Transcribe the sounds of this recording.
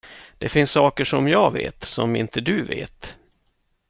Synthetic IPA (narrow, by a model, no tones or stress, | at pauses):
d̪̥ɛfɪnsːɑːkəʂɔmjɑːvḛːt̪sɔmɪ̰nt̪əd̪ɵvḛːt̪